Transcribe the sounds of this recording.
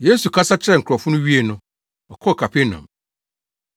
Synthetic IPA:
je˦su˨kʰa˦sa˦t͡ɕʰɪ˦ɾɛ˨ŋ̩ʰ˨ɾɔ˨fʊ̃˦nʊ̃˦ɥi˦e˦˨nʊ̃˦ | ɔ˨kʰɔ˦˨kʰa˨pʰe˦nã̰˨m

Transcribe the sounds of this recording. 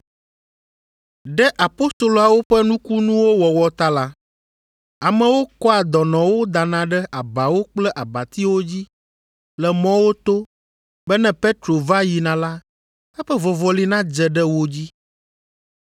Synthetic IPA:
ɖɛ˦ʔa˨po˦st̪o˨lo˨a˨wo˦ɸɛ˦nũ˦ku˦nũ˦wo˦wɔ˨wɔ˨t̪a˦la˦ | a˨mɛ̃˨wo˦kɔ˦a˨d̪ɔ˨nɔ̃˨wo˦d̪a˨nã˨ɖɛ˦ʔa˨ba˨wo˦k͡plɛ˦ʔa˨ba˨t̪i˦wo˦d͡ʑi˦ | lɛ˨mɔ̃˦wo˦t̪o˦ | bɛ˦nɛ̃˦pe˦t̪ɾo˨va˦ji˨nã˨la˦ | ɛ˦ɸɛ˦vɔ˨vɔ˨li˦nã˦d͡ʒɛ˨ɖɛ˦wo˦d͡ʑi˦

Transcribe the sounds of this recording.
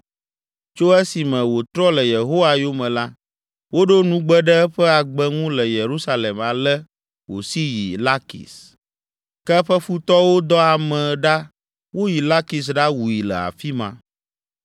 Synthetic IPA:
t͡ʃo˦ɛ˦si˨mɛ̃˨wo˨t̪ɾɔ˦lɛ˨je˨ɦo˦wa˨jo˦mɛ̃˨la˦ | wo˦ɖo˦nũ˦ɡ͡bɛ˦ɖɛ˦ɸɛ˦a˨ɡ͡bɛ˦ŋũ˦lɛ˨je˨ɾu˦sa˦le˨ma˨lɛ˦ | wo˨si˦ji˨la˦kḭ˨s | kɛ˦ɸɛ˦fu˦t̪ɔ˦wo˦d̪ɔ˦a˨mɛ̃˨ɖa˦ | wo˦ji˨la˦ki˨s̬ɖa˦wu˨ji˨lɛ̰˨a̰˨fi˦mã˦

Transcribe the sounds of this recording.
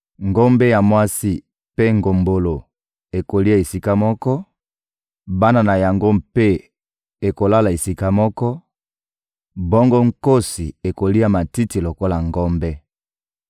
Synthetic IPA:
ŋɡo˦mbɛ˦ja˨mwa˦si˦ | pe˦ŋɡo˨mbo˨lo˨ | e˨ko˨li˦ja˨e˨si˦ka˦mɔ˦kɔ˦ | ba˦na˦na˨ja˨ŋɡo˦mpe˦ | e˨ko˨la˦la˨e˨si˦ka˦mɔ˦kɔ˦ | bɔ˦ŋɡo˦ŋ̩˦ko˦si˨e˨ko˨li˦a˨ma˨ti˦ti˨lo˨ko˦la˨ŋɡɔ˦mbɛ˦

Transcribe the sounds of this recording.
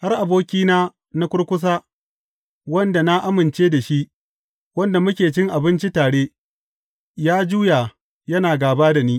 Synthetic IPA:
ha˦rʔa˨boː˦kʲiː˦naː˦ | na˦kʷʊ˦ɽkʷʊ˦s̬aː˦ | wɐ˦nda˨na˦ʔa˦mɪ˨nt͡ʃeː˦da˨ʃi˦ʔ | wɐ˦nda˨mʊ˦kʲeː˨t͡ʃɪ˦ŋʔa˨bɪ˦nt͡ʃi˦taː˨ɽeː˦ | jaː˦d͡ʒuː˦ja˨ | jɐ˦naː˨ɡaː˨baː˦da˨niː˦

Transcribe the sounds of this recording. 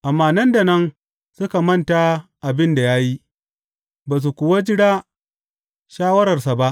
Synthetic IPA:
ʔa˨mːaː˦nɐ˦nda˨nɐ˦n | sʊ˦ka˨mɐ˦nta˨ʔa˨bɪ˦nda˨jaː˦ji˦ | baː˨s̬u˨kʷʊ˨wa˦d͡ʒɪ˦ɽaː˦ | ʃaː˦wɐ˦ɾɐ˨rsa˨ba˦ʔ

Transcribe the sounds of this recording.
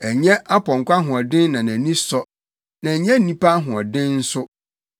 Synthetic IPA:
æ˨ɲɛ̃˦ʔa˦pʰɔ̃˨ŋ˨kʷa˦ɦʊ̃˨ɔ˨dɪ̃˦nː˦ã˨nã˨nĩ˦sɔ˦ | nã˨ɲɛ̃˦n̩˦nĩ˦pa˦ɦʊ̃˨ɔ˨dɪ̃˦nn̩˦sʊ˦

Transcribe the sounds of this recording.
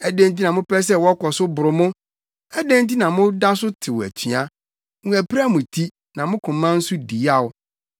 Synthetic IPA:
æ˨dẽ˦nt̬i˦nã˨mʊ̃˦pɛ˦s̬ɛ˦wɔ˦kɔ˨sʊ˦bʊ˨ɾʊ˨mʊ̃˦ | æ˦dẽ˦n˦ti˦nã˨mʊ̃˦da˦sʊ˦tʰɪ˨wɔ˨æ̰˨tʰi˨a˦ | ŋũ˦æ˨pʰɾa˦mʊ̃˨tʰi˦ | nã˨mʊ̃˦kʰʊ̃˨mːã˦n̩˦sʊ˦di˨˦a˦˨ʊ˦

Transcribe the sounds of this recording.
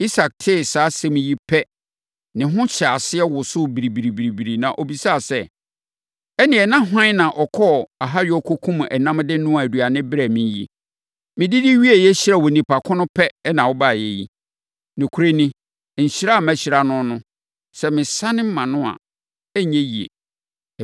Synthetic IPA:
i˦sa˨k̚tʰɪ˦˨saː˨˦sɛ˦mɪ̃˨ji˦pʰɛ˦ | nɪ̃˨ɦʊ̃˦ɕʰa˨sɪ˦ɛ˦wʊ˨sʊ˦bi˨ɾi˨bi˨ɾi˨bi˨ɾi˨bi˨ɾi˨nã˨ʔo˨bi˨sa˦˨sɛ˦ | ɛ˦nɪ̃˨ɛ˨nã˦ɦã˦nã˨ʔɔ˨kʰɔ˦a˨ɦa˦ɾɪ˦ɔ˦kʰo˦kʰũ˦m̃˨ʔɛ˨nã˦m˦dɪ˦nʊ̃˦a˨æ˨du˨a˨nɪ̃˦bɪ˦ɾæ˨mĩ˨jḭ˦ | mɪ̃˨dɪ˦dɪ˦ɥi˦e˨jɛ˦ɕi˦ɾa˦˨wɔ˨nĩ˨pʰa˨kʰʊ̃˦nʊ̃˦pʰɛ˦nã˨wɔ˦ba˦˨jɛ˦jḭ˦ | nʊ̃˨kʰu˦ɾe˦nɪ̃˦˨ | ɲ̩˨ɕi˦ɾa˦˨mæ̃˦ɕi˨ɾa˦nʊ̃˦nʊ̃˦ | sɛ˦mɪ̃˨sã˦nɪ̃˦m̩˦mã˨nʊ̃˦a̰˨ | ɛ˦ɲɛ̃˦ji˨ḛ˨

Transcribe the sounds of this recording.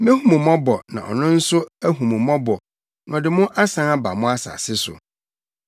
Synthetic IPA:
mɛ̃˦hũ˦mũ˨mɔ̃˦bɔ˨nã̰˨ɔ̰˨nʊ̃˦n̩˦sʊ˦æ˦ɦũ˨mũ˨mɔ̃˦bɔ˨ | n˨ɔ˨dɪ˨mʊ̃˦ʔa˦sã˦na˦ba̰˨mʊ̃˦a˦sa̰ː˨sɪ˦sʊ̰˨

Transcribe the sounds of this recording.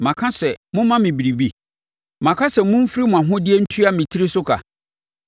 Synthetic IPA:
mã˨kʰã˦sɛ˨mʊ̃˦mã˦mɪ̃˨bi˨ɾi˨bi˦ | mã˨kʰã˦sɛ˨mʊ̃˦m̩˦fi˦ɾi˦mʊ̃˨ã˨ɦʊ̃˦dɪ˦ɛ˦n̩˦tʰu˦a˦mɪ̃˨tʰi˦ɾi˦sʊ˦kʰa̰˨

